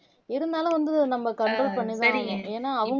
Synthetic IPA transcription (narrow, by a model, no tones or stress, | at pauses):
ɪɾɯnd̪aːlʊ̃ʋɐnd̪ɯnɐmːɐkɐɳʈroːlpɐɳːɪðɯ̃ɐ̃eːnːaːɐʋɐŋ